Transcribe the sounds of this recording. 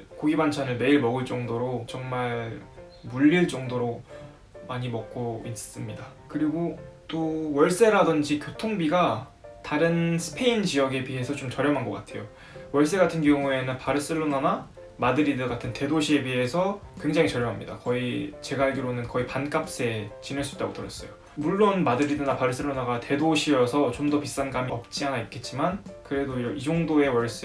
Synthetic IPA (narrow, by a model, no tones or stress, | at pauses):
koɡibant͡ɕʰanɯɭme̞iɭmʌɡɯɭt͡ɕ͈ʌŋdoɾot͡ɕʌŋmaɭ | muʎːiɭt͡ɕ͈ʌŋdoɾo | maɲimʌk̚k͈ois͈s͈ɯmɲidakɯɾiɡot͈owʌɭs͈e̞ɾadɯnd͡ʑikʲjotʰoŋbiɡataɾɯnsʰɯ̥pʰe̞ind͡ʑijʌɡe̞piɦe̞sʰʌt͡ɕomt͡ɕʌɾjʌmɦanɡʌk͈atʰe̞jo | wʌɭs͈e̞ɡatʰɯnɡjʌŋue̞nɯnpaɾɯs͈ɯɭːonana | madɯɾidɯɡatʰɯnte̞doɕʰie̞piɦe̞sʰʌkwe̞ŋd͡ʑaŋit͡ɕʌɾjʌmɦamɲḭda̰kʌit͡ɕe̞ɡaɭɡiɾonɯnkʌipank͈ap̚s͈e̞t͡ɕineɭs͈uit͈a̰ɡotɯɾʌs͈ʌjo | muɭːonmadɯɾidɯnapaɾɯs͈ɯɭːonaɡate̞doɕʰiʌsʰʌt͡ɕomdʌpis͈anɡamiʌp̚t͡ɕ͈ianaik͈̚e̞t̚t͡ɕ͈imankɯɾe̞doiɾʌid͡ʑʌŋdoe̞wʌɭs͈e